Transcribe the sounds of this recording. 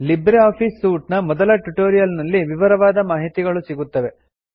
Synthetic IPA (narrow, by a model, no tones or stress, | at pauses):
libɾiaːpʰiːsːuːʈnɐmɔd̪ɐlɐʈuʈoːɾijɐlnɐlːiʋiʋɐɾɐʋaːd̪ɐmaːɦit̪iɡɐɭusiɡut̪ːɐʋe̞